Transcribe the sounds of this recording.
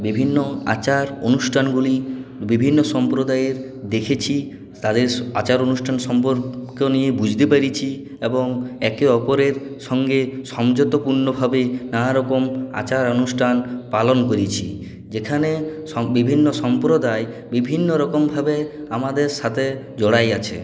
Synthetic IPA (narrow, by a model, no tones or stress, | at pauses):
bibʱinːoa̰t͡ɕaɾonuʃʈʰanɡulibibʱinːoʃɔmpɾod̪ajeɾ | d̪ekʰet͡ɕʰi | t̪ad̪eɾa̰t͡ɕaɾonusʈʰanʃɔmpoɾkonijebud͡ʑʱt̪epaɾit͡ɕʰi | eboŋɛkeɔpoɾeɾʃɔŋɡeʃɔmd͡ʑot̪opuɾnobʱabenaɾɔkoma̰t͡ɕaɾonusʈʰanpalonkoɾit͡ɕʰi | d͡ʑekʰane | ɔbibʱinːoʃɔmpɾod̪ae | bibʱinːoɾɔkombʱabeamad̪eɾʃat̪ʰe | d͡ʑɔɽajat͡ɕʰḛ